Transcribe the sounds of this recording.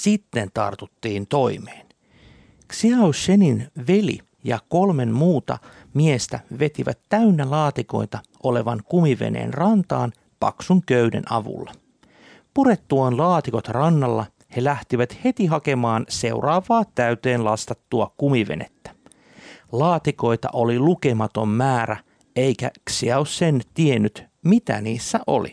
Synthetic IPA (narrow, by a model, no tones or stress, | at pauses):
sit̪ːe̞nt̪ɑ̰rt̪ut̪ːiːnt̪o̞imeːn | ksiɑwʃeninʋe̞lḭ | jɑ̰ko̞lme̞nmuːt̪ɑ̰ | miest̪æʋe̞t̪iʋæ̰t̪ːæynːælɑːt̪iko̞̰jt̪ɑ | ʔo̞le̞ʋɑŋkumiʋḛnḛːnrɑnt̪ɑːn | pɑ̰ksuŋkøydḛnʔɑ̰ʋṵlːɑ | puɾe̞t̪ːuɑnlɑːt̪iko̞t̪rɑnːɑlːɑ | he̞læht̪iʋæt̪he̞t̪iɦɑke̞mɑːnse̞urɑːʋɑːt̪æyt̪eːnlɑst̪ɑt̪ːuɑkumiʋe̞̰nḛt̪ːæ̥ | lɑːt̪iko̞jt̪ɑ̰ʔo̞lilukemɑt̪o̞mːæːɾæ | eikæksiɑossent̪ienːyt̪ | mit̪æ̰niːsːæʔo̰lḭ